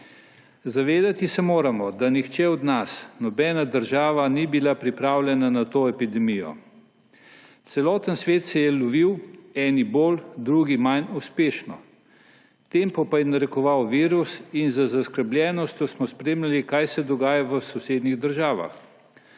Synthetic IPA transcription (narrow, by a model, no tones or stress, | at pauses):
zaʋeːd̪at̪isɛmoːɾamɔd̪anixt͡ʃɛɔd̪nasnɔbɛːnad̪əɾʒaːʋanibilapɾipɾaːwlʲjɛnanat̪oːɛpid̪ɛmijɔ̰ | t̪sɛlɔːt̪ənsʋeːt̪sɛjɛlɔʋiwɛːniboːld̪ɾuːɡimajnuspeːʃnɔ | t̪empɔpajɛnaɾɛkɔʋawʋiːɾusinzəzaskəɾblʲɛːnɔst̪jɔsmɔspɾeːmlʲalikajsɛd̪ɔɡaːjaʋəsɔseːd̪niɣd̪əɾʒaːʋa̰x